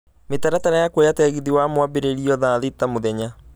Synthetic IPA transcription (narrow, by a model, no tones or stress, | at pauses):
metaɾataɾajakwojatɛɣiðiwamwabeɾeɾiɔðaðetamoðɛɲa